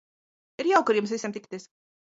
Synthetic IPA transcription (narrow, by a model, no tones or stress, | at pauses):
iɾjawkʊɾjuʊmsvʲisʲemt̪ikt̪iːs